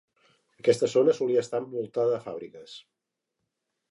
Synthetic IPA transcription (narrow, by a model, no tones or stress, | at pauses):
əkɛst̪əzonəsuliəːst̪aəmbulˠt̪aðəːfaβɾikəs